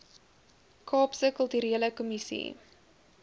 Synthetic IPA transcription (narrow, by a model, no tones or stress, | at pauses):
kʰɑːpsəkəlˠtyɾiələkɔmisḭ